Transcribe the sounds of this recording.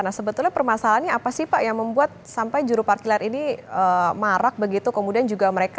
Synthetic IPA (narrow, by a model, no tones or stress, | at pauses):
anasəbət̪ʊlɲapərmasalanɲaːpasɪhpaʔjaŋməmbuat̪̚sampajd͡ʒuɾuparkilaɾʔiniəmaɾak̚bəɡit̪ukəmudiand͡ʒuɡaməɾek